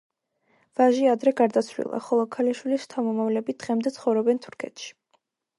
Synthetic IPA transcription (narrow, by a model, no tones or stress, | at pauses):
v̥aʒiad̪ɾɛɡaɾd̪at̪sʰvlḭlˠa̰χɔlˠɔkʰaliʃwilist̪ʰamɔmavlɛbid̪̥ʁɛmd̪ɛt̪sʰχɔvɾɔbɛnt̪ʰu̥ɾkʰɛ̰t̪ʃi̥